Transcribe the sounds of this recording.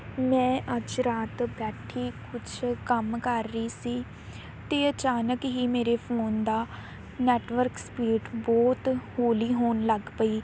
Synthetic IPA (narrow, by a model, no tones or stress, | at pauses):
mɛ̃ːʔəd͡ʒɾaːt̪bɛːʈʰːiːkʊt͡ʃʰkəmkəɾːəiːsiː | t̪eːət͡ʃaːnəkɦiːmeːɾeːpʰoːnd̪aː | nɛːʈʋəɾkspiːɾɪʈbɔːt̪hoːliːɦoːnləɡpəiː